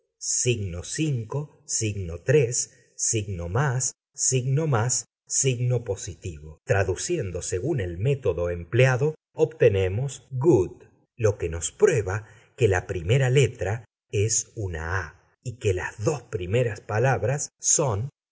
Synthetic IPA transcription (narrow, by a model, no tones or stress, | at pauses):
siɣnosiŋko | siɣno̞t̪ɾesː | iɣno̞masː | iɣno̞masː | iɣno̞po̞sit̪iβo̞t̪ɾaðusje̞nd̪o̞se̞ɣune̞lme̞t̪o̞ðo̞empleaðo | obt̪ene̞mo̞sɣud̪ | lo̞keno̞spɾwe̞βa | kelapɾime̞ɾale̞t̪ɾa | esuna̰a | ikela̰zðo̞spɾime̞ɾaspalaβɾasːo̞n